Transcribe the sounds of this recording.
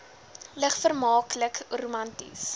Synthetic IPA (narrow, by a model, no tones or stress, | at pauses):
ləχfərmɑːkləkrumɐntḭs